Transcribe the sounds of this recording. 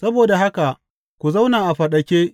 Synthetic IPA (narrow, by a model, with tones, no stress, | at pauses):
sɐ˦boː˨da˨ɦa˦ka˨ʔ | kʷu˨za˦wnaː˨ʔa˨ɸɐ˨ɗɐ˨kʲeː˦ʔ